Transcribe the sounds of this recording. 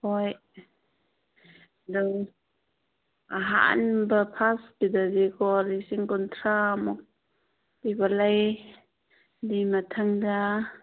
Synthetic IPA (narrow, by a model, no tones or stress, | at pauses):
hɔj | dɔŋ | aɦa̰nbapʰasbidazikʰɔlisiŋkɔntʰɾamɔk̚ | dibalaj | dimatʰaŋda